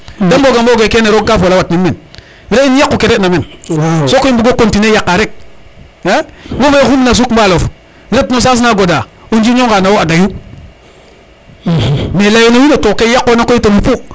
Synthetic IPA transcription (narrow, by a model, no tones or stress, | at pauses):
damboɡamboɡekeneɾokːafolawatninmen | ɾeinjakːokeɾetnamensokoimbiɡokontinejakːaɾek̚ | ewoŋexumnas̬ukmbalof | ɾetnos̬as̬naɡoda | und͡ʒiɲoŋɡanawoadaju | melajonoinatokejakːonakoitomipu